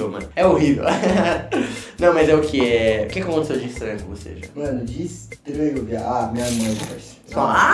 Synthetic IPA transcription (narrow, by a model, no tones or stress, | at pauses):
omɐ̰̃nʊɛoɦivḛw | nɐ̃w̃mɐzɛʊkʰɪɛʊ̰kɛkɪakõt̪esewd͡ʒist̪ɾɐ̃kvosḛʒamɐ̃nʊd͡ʒisd̪eveɡoviaamĩɲɐmɐ̃vɛs | sɔa